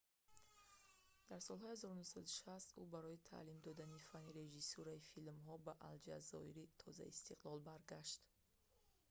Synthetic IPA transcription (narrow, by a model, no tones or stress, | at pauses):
d̪̥aɾsɔlhɔihazɔɾunuhsad̪uʃast̪ʔubaɾɔit̪ʰa̰limd̪ɔd̪anifaniɾeʒisuɾaifilmɦɔbaʔald͡ʒa̰zɔ̰iɾit̪ʰɔza̰ḭst̪ʰiqlɔlbaɾɡaʃt̪